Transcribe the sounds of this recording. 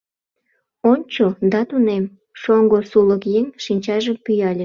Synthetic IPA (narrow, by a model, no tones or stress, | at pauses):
onʲt͡ɕod̪ɑt̪unem | ʃoŋɡosuləkjeŋʃinʲt͡ɕɑʒəmpyjɑlʲe